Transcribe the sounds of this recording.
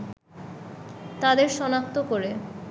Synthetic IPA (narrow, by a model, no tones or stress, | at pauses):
t̪ad̪eɾʃɔnak̚t̪okoɾe